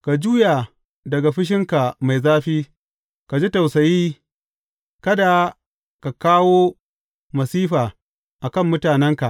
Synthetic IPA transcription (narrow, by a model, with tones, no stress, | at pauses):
ka˨d͡ʒuː˦ja˨ | dɐ˨ɡa˨ɸɪ˦ʃ̬ɪ˦ŋka˨ma˨jzaː˦ɸiː˦ | ka˨d͡ʒi˦ta˨wsɐ˨jiː˦ | kɐ˦da˨ | ka˨kaː˦woː˦ | mɐ˨siː˦ɸaː˨ | ʔa˨kɐ˦˨mːʊ˦taː˨nɛ˦ŋka˨ʔ